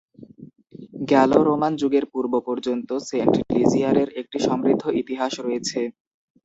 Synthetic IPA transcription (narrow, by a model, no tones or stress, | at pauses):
ɡɛloɾomand͡ʑuɡeɾpuɾbopɔɾd͡ʑont̪oseɳʈɖliziaɾeɾek̚ʈiʃɔmɾid̪ʱːoit̪iɦaʃɾoet͡ɕʰe